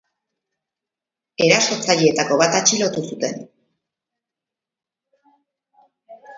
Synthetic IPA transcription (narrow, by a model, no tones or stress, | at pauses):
e̞ɾaso̞t͡saʎie̞t̪ako̞βat̪at͡ʃilo̞t̪usut̪e̞̰n